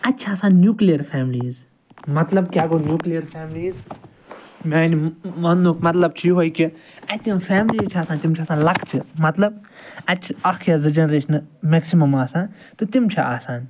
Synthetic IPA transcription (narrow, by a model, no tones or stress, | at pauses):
ɐtːt͡ʃʰaːsaːnːjuːklijɐɾfʰɛːmliːz | mɐt̪lɐb̚kʲaːɡoːnjuːklijɐɾfʰɛːmliːz | mʲaːnimɐnukmɐt̪lɐb̚t͡ʃʰiɦoːjkiɐt̪imfʰɛːmliːt͡ʃʰaːsaːnt̪imt͡ʃʰaːsaːnlɐkʰt͡ʃʰɨmɐt̪lɐb̚ | ɐtːt͡ʃʰiɐkkʰjaːzɨd͡ʒɐnɾeːt͡ʃʰnɨmeksimɐmaːsãːn | t̪ɨt̪imt͡ʃʰiaːsaːn